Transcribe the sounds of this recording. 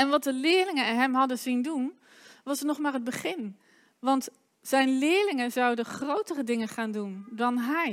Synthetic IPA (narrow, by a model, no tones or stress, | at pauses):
ɛnʋɑt̚dəlɪːɹlɪŋəɛnɦɛmɦɑdənzindun | ʋɑsənɔχmaːrəd̚bəχɪn | ʋɑnt | z̥ɛjnlɪːɹlɪŋənzawdəχrowtərədɪŋəχaːndundɑnɦɛj